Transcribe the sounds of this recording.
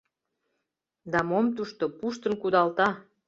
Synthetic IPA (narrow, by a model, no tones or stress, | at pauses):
d̪ɑmomt̪uʃt̪opuʃt̪ə̆nkud̪ɑlt̪ɑ